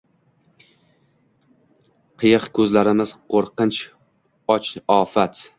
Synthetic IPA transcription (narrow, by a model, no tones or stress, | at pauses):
qʰɨjɨqkʰɵzlaɾɪmɪz̥qʰoɾqɨnt͡ʃ | ɒt͡ʃɒfat̪